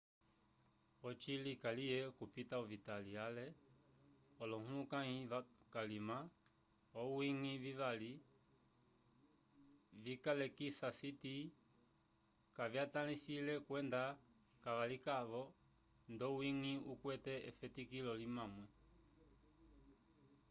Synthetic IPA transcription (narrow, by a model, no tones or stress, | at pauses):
ɔt͡ʃilikalijɛkupitauvitalialɛ | ɔlɔhulukaŋivakalima | ɔwiŋivivali | vikalɛkisasiti | kavjatanisilɛkwɛnda | kaβalikaβɔ | ndɔwiŋiukwɛtɛɛfɛtikilɔlimamwɛ